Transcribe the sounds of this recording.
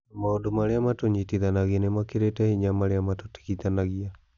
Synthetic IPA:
maodomaɾeamatoɲitiðanaɣianemakeɾetɛhiɲamaɾeamatoti̥kit̪anaɣia

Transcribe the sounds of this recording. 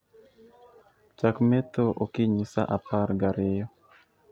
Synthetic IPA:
t͡ʃakmɛt̪oʔokɪɲisa̰ʔapaɾɡaɾɪjɔ

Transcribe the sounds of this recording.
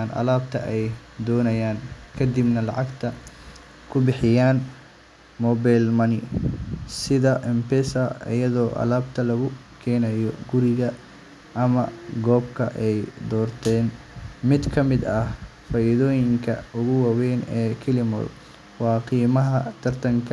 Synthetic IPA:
nʔɐ̰laːbt̪ʰɐ̰ʔɛjd̪ɔːnɐjaːnkʰɐd̪ibnɐlɑ̰ʕɑɡt̪ʰɐ | kʰʊbɪħɪjaːn | mɔːbajlmɐnɪ | sɪðɐʔɛmpɛsɐɪ̰jɐðɔːʔɐ̰laːbt̪ʰɐlɐɣʊ | kʰɛːnɐjɔ̰ɡʊɾɪɣɐ | ʔɐmɐɡɔːbkʰɐʔɛjd̪ɔːrt̪ʰɛːn | mɪd̪kʰɐmɪd̪ɐhfaːʔiðɔːjɪŋkʰɐ̰ʊɣʊwɑːwɛnɛːkʰɪlɪmɔ̰l | wɑːqiːmɐɦɐt̪ʰɐrt̪ʰɐŋkʰ

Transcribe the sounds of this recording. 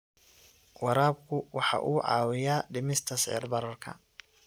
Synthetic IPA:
wɑɾaːb̚kʰʊwɑħɑ̰ʔuːʕɑ̰ːwɪjaːɖɪmɪst̪ʰɐsʕɪ̰rbɐɾɐrkʰɐ̰

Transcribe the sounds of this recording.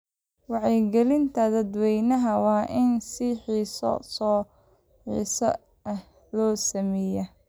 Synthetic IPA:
wɑʕɛjɡɛlɪnt̪ʰɐd̪ɐd̪wɛjnɐɦɐwɑːʔɪnsɪħiːsɔ̰sɔː | ħiːsɐ̰ | ɐh | lɔːsɐmɛːjɐ

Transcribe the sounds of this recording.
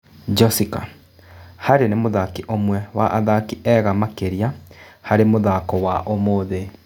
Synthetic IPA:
d͡ʒɔsika̰ | haɾenemoðakiʔomwɛwaʔaðakiʔɛːɣamakeɾiahaɾemoðakɔwaʔomoːðe

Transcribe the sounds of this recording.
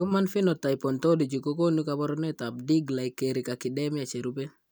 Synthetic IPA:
umanfinɔtajpɔntɔdid͡ʒikokonukabɔɾɔnɛtab̚diɡlajkeɾikakidɛmjat͡ʃeɾube

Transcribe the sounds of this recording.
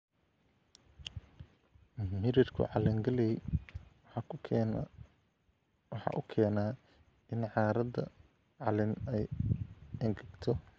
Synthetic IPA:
mɪɾɪrkʰʊ̰ʕɑlɪŋɡɐlɛ | ħɑ̰ːʔʊkʰɛːnaː | ɪnʕɑːɾɐdɐ | ʕɑlɪnɛj | ɐŋɡʰɐɡt̪ʰɔ

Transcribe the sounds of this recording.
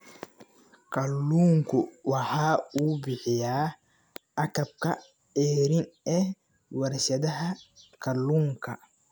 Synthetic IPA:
kʰɐlːuːŋkʰʊwɑħɑːuːbɪħɪjaː | ʔɐkɐb̚kʰɐ | ɛːɾɪnɛ | wɐɾʃɐðɐɦɐkʰɐlːuːŋkʰɐ

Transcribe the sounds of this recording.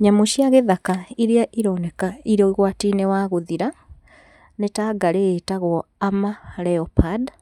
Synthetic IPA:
ɲamoʃiaɣeðakaiɾiaʔiɾɔnɛkaiɾɔiɣwatinewaɣoðiɾa | netaɡaɾetaɣwɔamalɛɔpad

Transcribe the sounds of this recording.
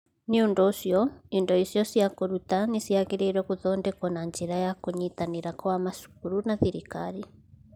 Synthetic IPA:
niundɔsjɔindɔisjɔsjakuɾut̪anisiaɣiɾiɾɛkuðɔndɛkɔnaɲd͡ʒiɾajakuɲit̪aniɾakɔwamaʃu̥kuɾunaθiɾikaɾi

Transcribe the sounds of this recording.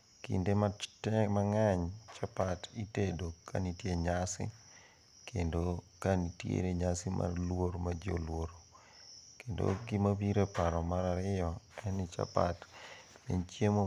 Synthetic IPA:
kḭndematɛmaŋaɲt͡ʃapatitedoka̰nitjeɲasɪ̰ | kʰendokanitjḛɾeɲasɪmʔa̰rlwoɾmad͡ʒo̰lwoɾo | kendo̰ɡɪmabiɾepaɾɔmaɾaɾɪjɔɛnɪt͡ʃa̰pa̰tmḛnt͡ʃjemo

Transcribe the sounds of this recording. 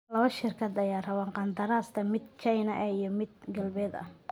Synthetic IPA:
lɐʃɪrkʰɐd̪ɐjaːrɐwanqɑnd̪ɐɾaːst̪ʰɐmɪd̪t͡ʃɐjnɐʔɐijɞmɪd̪ɡɐlbɛːd̪ɐ̰

